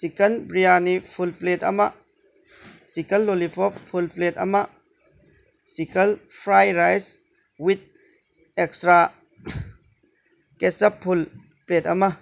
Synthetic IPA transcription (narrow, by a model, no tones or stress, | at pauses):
sikɐnbɾijanifʰulfletɐ̰maʔ | sikɐlːolifɔpfulflet̪ɐ̰maʔ | sikɐlfɾajɾajs | wit̪̚ | ɛkstɾa | kɛsɐpʰːul | pletɐma